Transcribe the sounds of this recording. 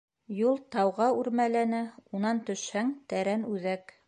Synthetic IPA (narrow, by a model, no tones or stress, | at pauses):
julˠt̪ɑwʁɑʉɾmælænæunɑnt̪ɵ̆ʃhæŋt̪æɾænʉðæk